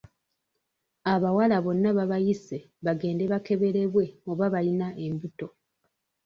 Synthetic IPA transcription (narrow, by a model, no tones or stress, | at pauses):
aβawalaβo̞nːaβaβajise | βaɡe̞ːnde̞βake̞βe̞ɾe̞βwe̞oβaβalinaʔembuto̞